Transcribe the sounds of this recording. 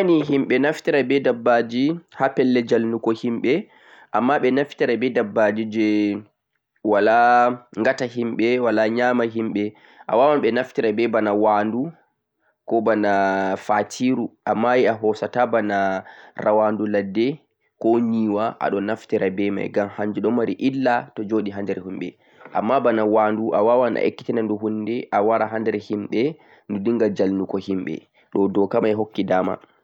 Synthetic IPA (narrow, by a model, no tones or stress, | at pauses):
niɦimɓɛnaftiɾabɛdabːad͡ʒihapɛlːɛd͡ʒalnukɔhimɓɛ | ʔamːaɓɛnaftiɾabɛdabːad͡ʒid͡ʒɛ | walaŋɡataɦimɓɛwalaɲaːmaɦimɓɛ | ʔa̰wawanɓɛnaftiɾabɛbanawandu | kɔbanafatʰiɾuʔamːajiaɦɔsatabanarawanduladːɛ | kɔɲiːwaʔa̰ɗɔnːaftiɾabɛma̰jɡamhaɲd͡ʒuɗɔmaɾiʔilːatɔd͡ʒoːɗiɦandɛɾɛhumɓɛ̰ | ʔa̰mːabanawanduʔawawana̰ʔekːi̥tɛnanduɦundɛʔawaɾaɦandɛɾhimɓɛ | ndudiŋɡad͡ʒalnukɔhimɓɛ̰ | ɗɔdɔkamajɦokːidaːma̰